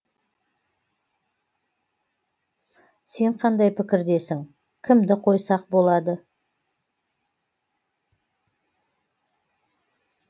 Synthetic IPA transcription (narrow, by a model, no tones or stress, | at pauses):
se̞ɴqʰɑnd̪ɑjpʰɪkʲɪɾd̪e̞sɪŋ | kʲʰɪmd̪ɪqʰo̞jsɑq̚bo̞lˠɑd̪ə